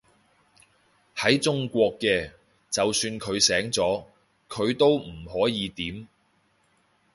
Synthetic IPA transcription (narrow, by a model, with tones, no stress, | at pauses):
hɐ˨˥jt͡sʊ˥ŋkʷɔː˧kːɛː˧ | t͡sɐ˨wsyː˧nkʰɵ˨˧ɥsɛː˨˥ŋt͡sɔː˨˥ | kʰɵ˨˧ɥt̪o˥wm̩˨˩hɔː˨˥jiː˨˧t̪iː˨˥m